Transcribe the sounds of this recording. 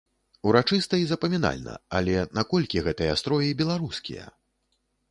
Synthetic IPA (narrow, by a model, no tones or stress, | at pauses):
uɾat͡ʂɨst̪ɐizɐpɐmʲina̰lʲnɐ̰ɐlʲɛnakɔlʲkʲiɣɛt̪ɨjɐast̪ɾɔjɐjbʲɛlˠaɾuskʲḭjɐ̰